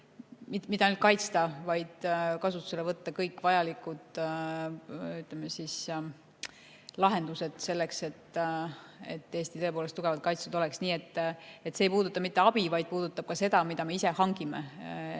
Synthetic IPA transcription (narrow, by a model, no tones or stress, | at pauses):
mit̪mid̪̥ɑnylt̪̚kɑjt̪st̪ɑvɑjd̪̥kɑsut̪ːˑu̥se̞levɤt̪ːɑkɤjkːˑvɑjɑlikːˑud̪̥ | yt̪ˑlemesis | lɑɦe̞nd̪use̞d̪̥se̞lːe̞kse̞t̪ː | et̪ːeːst̪it̪ɤ̞e̞poːlest̪uɡ̥e̞vɑd̪̚kɑjt̪sud̪o̞lɛksniːe̞t̪ːˑet̪ːseːjpuːd̪ut̪ːˑɑmit̪ːe̞ɑb̥ivɑjd̪̚puːd̪̥ut̪ːˑɑb̥̚kɑse̞d̪ɑmid̪̥ɑme̞ise̞hɑŋɡimḛ